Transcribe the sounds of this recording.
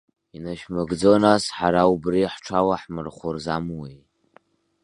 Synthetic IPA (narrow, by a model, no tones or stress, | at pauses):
inaʃmɨɡd͡zonasħaɾaubriħʈ͡ʂʰawaħmɨrχʷʊrzamwi